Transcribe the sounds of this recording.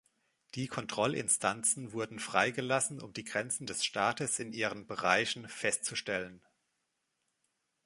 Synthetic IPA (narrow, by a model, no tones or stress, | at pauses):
d̥iːkʰɔntʁ̥ɔlʔɪ̰nstʰant͡sn̩vʊɐdn̩fʁ̥aɪɡəlasn̩ʊ̰mdiːɡʁɛnt͡sn̩dɛsʃtaːtəsɪnʔiːʁ̞ənbəʁaɪçn̩fɛstt͡suʃtɛlən